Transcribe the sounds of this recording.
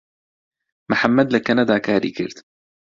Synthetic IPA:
maħamːad̪lakːanad̪akaːɾḭkɪ̰lt̪

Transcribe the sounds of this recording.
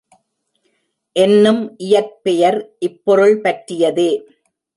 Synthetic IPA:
ʔɛnːɯmʔɪjɐɾ̚pɛjɐɾʔɪpːɔɾɯɭpɐʈɾɪjɐðeː

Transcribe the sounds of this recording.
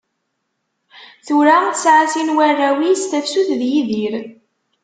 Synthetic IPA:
θuɾaθsʕasinwærːæwist̪æfsuθðjiðiɾ

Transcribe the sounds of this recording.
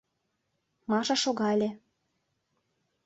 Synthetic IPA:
mɑʃɑʃoɣɑlʲĕ

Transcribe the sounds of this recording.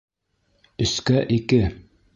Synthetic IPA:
ɵ̆skæʔikɘ

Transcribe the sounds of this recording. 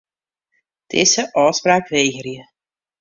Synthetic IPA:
tʰɪ̰səʔɔːspraːkʋejɣərjə

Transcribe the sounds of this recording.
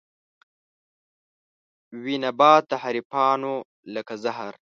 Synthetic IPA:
winabɑːt̪ːahaɾipɑːno | ləkazaɦaɾ

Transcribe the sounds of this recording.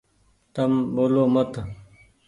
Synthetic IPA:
t̪ɐmboːloːmɐt̪

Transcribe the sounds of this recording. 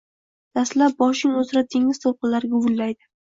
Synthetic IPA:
d̪̥aslap̚bɒʃɪŋɵzɪɾat̪ʰeŋɪz̥t̪ʰowqɨnlaɾɡʲʊbʊlːajd̪ɪ

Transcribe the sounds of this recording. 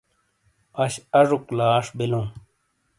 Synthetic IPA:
ɐɕɐʐuklaːʂbilũː

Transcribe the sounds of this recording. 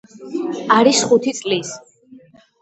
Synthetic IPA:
aɾisχut̪ʰit̪sʼlis

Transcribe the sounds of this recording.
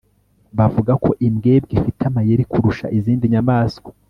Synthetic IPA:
βavuɡakʰo̞ʔimɡe̞ːbɡifitamajeɾikuɾuʃa̰ʔiziːndiɲamaːsko

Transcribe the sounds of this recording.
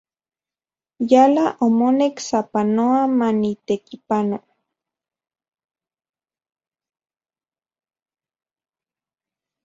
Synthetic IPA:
jalaʔomoneksapanoamanit̪ekipano

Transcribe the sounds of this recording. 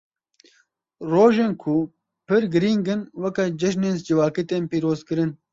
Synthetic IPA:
ɾoːʒeːnkʰu | pɨɾɡɨɾiːŋɡɨnwɐkad͡ʒɐʃ̬neːnzd͡ʒɪwaːkit̪eːnpiːɾoːzkɨɾɨn

